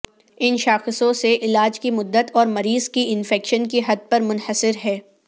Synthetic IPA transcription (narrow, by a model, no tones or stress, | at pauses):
ɪnʃaːxɪsõseʔɪlaːd͡ʒkimʊd̪ːət̪ɔːɾmɐɾiːzkiɪnfɛːkʃənkiɦɐd̪̚pɐɾmʊnhəsɪɾɦɛː